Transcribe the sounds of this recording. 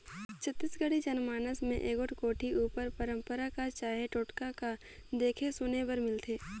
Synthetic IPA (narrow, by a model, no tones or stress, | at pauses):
t͡ʃʰət̪ːɪsɡəɽid͡ʒɐnmaːnəsmẽʔeːɡʊʈkoːʈʰiuːpəɾpəɾə̃mpəɾakat͡ʃaːɦeʈoːʈkaka | d̪eːkʰesʊnebəɾmɪlt̪ʰeː